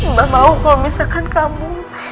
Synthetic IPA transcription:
bamaukomisakʰankʼamu

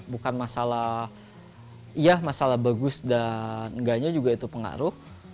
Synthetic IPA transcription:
bukanmasala | ijamasalahbaɡʊsdanŋɡaɲad͡ʒuɡait̪upəŋa̰ɾʊh

